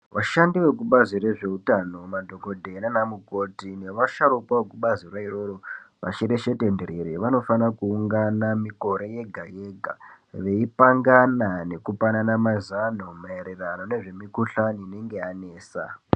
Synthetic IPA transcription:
ʋaʃandiʋe̞k̬uɓazire̞ʐe̞utano̞madʱo̞ko̞dʱe̞nanamuko̞tine̞ʋaʃaɾukwaʋekuɓazirwaiɾo̞ɾoʋa̰ʃeɾe̞ʃe̞te̞ndeɾeɾeʋano̞fanakuːŋɡanamiko̞ɾe̞je̞ɡʱajeɡʱa̰ | ʋe̞ipaŋɡanane̞kupananamazanomaeɾerano̞ne̞ʐe̞mikuɬaniine̞ŋɡe̞ane̞ːsa̰

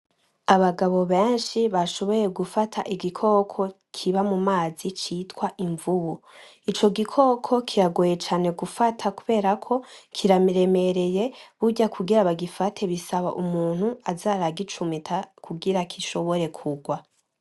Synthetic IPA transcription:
aβaɡaβo̞βe̞ːnʃiβaʃo̞βo̞je̞ɡufatʰa̰ʔiɡikʰo̞kʰo̞ | kʰiβamumaːzit͡ʃitwaʔiɱvuβu | it͡ʃo̞ɡikʰo̞ːkʰo̞kʰiɾaɡoje̞t͡ʃaːne̞ɡufatʰakuβe̞ːɾakʰo̞kʰiɾamiɾe̞me̞ɾe̞je̞βuɟakʰuɡiɾaβaɡifatʰe̞βisaβa̰ʔumuːn̥huazaːɾaɡit͡ʃumitʰakuɡiɾakʰiʃo̞βo̞ɾe̞kʰuɡwa

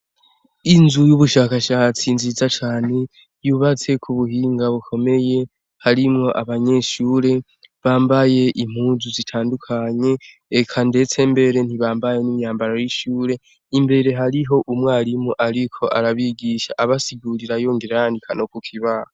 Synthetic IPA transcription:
inzujuβuʃaːkaʃaːt͡sinzizat͡ʃaːne̞ | juːβat͡se̞kʰuβuhiːŋɡaβukʰo̞me̞je̞ | haɾimŋo̞ʔaβaɲe̞ʃuːɾe̞ | βaːmbaje̞ʔim̥huːzuzitʰaːndukʰaɲe̞ː | kʰande̞t͡se̞mbe̞ɾe̞n̥iβaːmbaje̞nimjaːmbaɾojiʃuːɾe̞ | imbe̞ɾe̞ɦaɾiɦo̞ʔumŋaːɾimuʔaɾikʰo̞ʔaɾaβiɡiʃa̰ʔaβasiɡuɾiɾajoːŋɡeɾejaːndikʰano̞kukʰiβaha

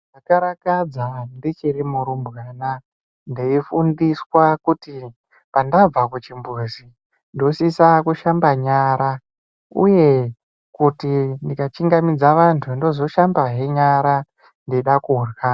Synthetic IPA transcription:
ʐakaɾakad͡zandit͡ʃiɾimuɾumbɣana | ndeifundiswakuti | pandab͡vakut͡ʃimbuzi | ndosisakuʃambaɲaɾa | ṵje̞ | kutindikat͡ʃiŋɡamid͡zaʋantʰundo̞zo̞ʃambaɦe̞ɲaɾa | ndeɗakurɣaː

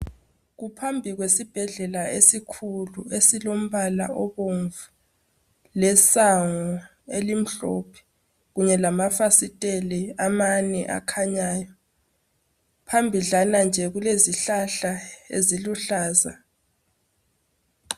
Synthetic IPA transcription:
ɣupʰambʱiɣwesib̥ʱɛɮɛlaesikʰuluesilom̩βala̰ʔɔβoɱvu | lɛsaŋɔ | elim̩ɬo̰pʰi̥ | ɣuɲɛlamafasitʼelɛamanɛʔa̰kʰaɲaːjɔ | pʰambʱiɮanand͡ʒʱɛɣuleziɬaɬaḛziluɬaːza

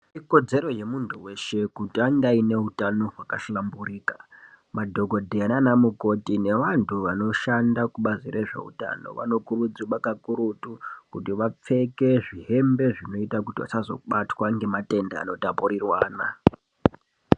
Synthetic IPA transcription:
iko̞d͡ze̞ɾo̞je̞muntʰuwe̞ʃe̞kutiandaine̞utano̞ɦwakaɬlamburiːka | madʱo̞ɡʱo̞dʱeananamuko̞tine̞ʋantʰuʋano̞ʃandakuɓaziɾʔe̞ʐe̞̰ṵta̰no̞̰ʋa̰no̞kurud͡ziɓakakuɾutukutiʋap͡fe̞ke̞ʐiɦe̞mbe̞ʐino̞itakutiʋa̰t͡ʃazo̞̰ɓatwaŋɡe̞mate̞nda̰a̰no̞tapurirwaːna̰

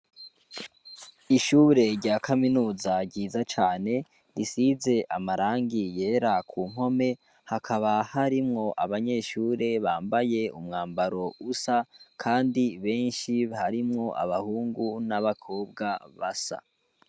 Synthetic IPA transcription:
iʃuːɾe̞ɾɟaːkʰaminuːzaɡɟiːzat͡ʃaːne̞ | ɾisize̞ʔamaɾaːŋɡije̞ːɾakʰuːŋ̥ho̞me̞ | hakʰaβahaɾimŋo̞ʔaβaɲe̞ʃuːɾe̞βaːmbaje̞umŋaːmbaɾo̞usakʰaːndiβe̞ːnʃihaɾimŋo̞ʔa̰βahuːŋɡunaβakʰo̞ːb̚ɡaβasa̰

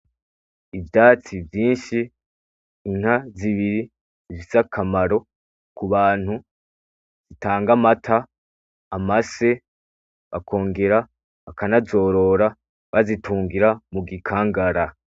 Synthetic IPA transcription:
ivjaːt͡sivjiːnʃiː | n̥haziβiɾi | ziz̥akʰamaɾo̞ | kuβaːn̥hu | z̥itaːŋɡamatʰa | amase̞ | βakʰo̞ːŋɡe̞ɾa | βakanazo̞ɾo̞ɾa | βazitʰuːŋɡiɾamuɡikʰaːŋɡaɾa

